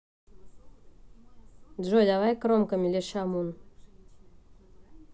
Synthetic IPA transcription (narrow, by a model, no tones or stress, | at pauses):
ʒod̪ʲaβajkɾomkəmʲilʲeʃamun